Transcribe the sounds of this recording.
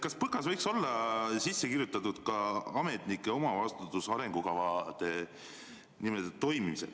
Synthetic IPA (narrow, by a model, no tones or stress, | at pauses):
kɑspɤkːɑsvɤjkso̞lːɑsisːekirjut̪ːˑɑt̪ud̪̥kɑɑme̞t̪nikːˑeo̞mɑvɑst̪ut̪ːˑusɑɾe̞ŋɡ̥ukɑvɑd̪̥e̞ | nimeld̪̥et̪ːo̞jmimisel